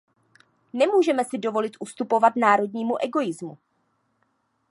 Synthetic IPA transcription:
nɛmuːʒɛmɛsɪdo̞vo̞lɪt̪ʔust̪upo̞vat̪naːɾo̞dɲiːmuʔɛɡo̞jɪzmu

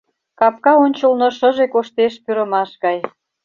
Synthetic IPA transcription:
kɑp̚kɑonʲt͡ɕəlnoʃəʒekoʃt̪eʃpyɾəmɑʃɣɑj

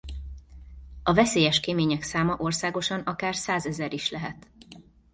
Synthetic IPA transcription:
ɒvɛseːjɛʃkemeːɲɛksaːmɒʔo̞rsaːɡoʃɒnɒkaːrsaːzɛzɛɾiʃlɛɦɛt̪

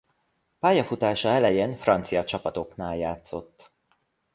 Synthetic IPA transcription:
paːjɒfut̪aːʃɒɛlɛjeːnfrɒnt̪sijɒt͡ʃɒpɒt̪o̞knaːljaːt̪so̞t̪ː

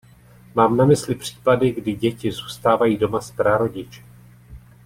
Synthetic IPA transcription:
maːmnamɪslɪpr̝̥i̥ːpadɪɡdɪɟɛcɪzuːst̪aːvajiːdo̞maspɾaɾo̞ɟɪt͡ʃɛ̥

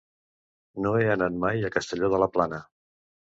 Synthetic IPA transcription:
noeənat̪majəkəst̪əʎoðələplanə

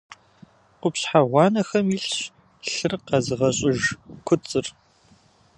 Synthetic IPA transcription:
qʷʊpɕħaʁʷɑːnɐxɐmɪɬɕ | ɬɨrqɐzɨʁɐɕʼɪʒkʷʰʊt͡sʼɨr

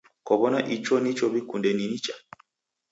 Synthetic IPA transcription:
kɔβɔnaʔit͡ʃɔnit͡ʃɔβikundɛninit͡ʃa

